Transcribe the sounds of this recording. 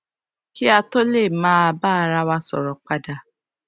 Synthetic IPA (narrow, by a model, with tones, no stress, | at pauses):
ki˦a˧to˦le˦˨mãː˦a˧baː˦˨˧ɾa˦wa˦sɔ̰˨ɾɔ˨k͡pa˦da˧